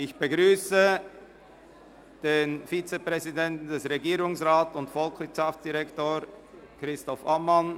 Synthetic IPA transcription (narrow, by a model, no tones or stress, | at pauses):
ɪçb̥əɡʁyːsə | d̥eːnfit͡səpʁ̥ɛzidɛntn̩dɛsʁeɡiːɾʊŋsʁaːtʊntfɔlksvɪtʃaftt͡sd̥iʁɛktoː | kʁɪstɔfamːan